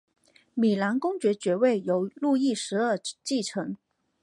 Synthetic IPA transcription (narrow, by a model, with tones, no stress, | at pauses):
mi˨˩la˧˥nkʊ˥ŋt͡ɕɥɛ˧˥t͡ɕɥɛ˧˥we˥˩ɪjo˧˥ʊlu˥˧i˥˩ʂɻ̩˧˥ə˞˥˩t͡ɕi˥˩ʈ͡ʂʰɤ˧˥ŋ